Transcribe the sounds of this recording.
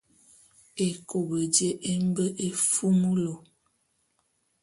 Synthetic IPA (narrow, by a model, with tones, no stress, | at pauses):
e˨ko˨bə˨de˦ʔe˦m˦bə˦ʔe˨fu˦mu˦lo˨